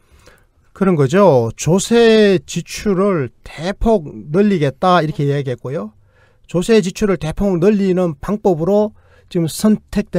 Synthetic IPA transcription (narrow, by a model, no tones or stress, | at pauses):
kɯɾʌnɡʌd͡ʑot͡ɕosʰet͡ɕit͡ɕʰuɾɯɭtepʰok̚nɯʎːiɡe̞t̚t͈aiɾʌkʰe̞jaɡiɦet̚k͈ojo | t͡ɕosʰe̞t͡ɕit͡ɕʰuɾɯɭte̞pʰoknɯʎːinɯnpaŋp͈ʌbɯɾo | t͡ɕiɡɯmsʰʌntʰe̞k̚t͈we